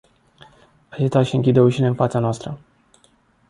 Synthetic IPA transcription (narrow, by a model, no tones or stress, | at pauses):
at͡ʃit̪aʃiɨŋkʲid̪euʃineɨnfat̪sanoast̪ɾə